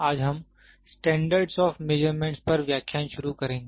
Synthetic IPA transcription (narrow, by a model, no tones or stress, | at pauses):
aːd͡ʒɦɐm | sʈɛ̃ːɳɖəɾɖsɔːfmed͡ʒəɾmẽːɳʈspɐɾʋjaːkʰjaːnʃʊɾukɐɾẽːŋɡe